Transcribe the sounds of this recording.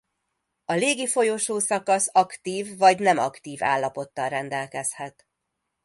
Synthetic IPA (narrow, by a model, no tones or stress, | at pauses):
ɒleːɡifo̞joʃoːsɒkɒsɒkt̪iːvːɒɟnɛmɒ̰kt̪iːva̰ːlːɒpo̞t̪ːɒlrɛnd̪ɛlkɛshɛt̪